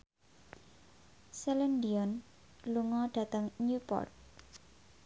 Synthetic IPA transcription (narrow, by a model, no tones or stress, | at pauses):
sɛlɛndiɔn | luŋɔɖ̥ä̤t̪əŋɲupɔ̰rt̪̚